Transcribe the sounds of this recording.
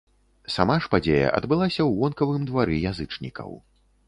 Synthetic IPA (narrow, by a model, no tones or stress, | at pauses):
sa̰maʂpad͡zʲejɐ̰ʔɐ̰d̪bɨlˠasʲɐwːɔnkɐvɨmd̪vaɾɨjazɨt͡ʂnʲikʰɐ̰w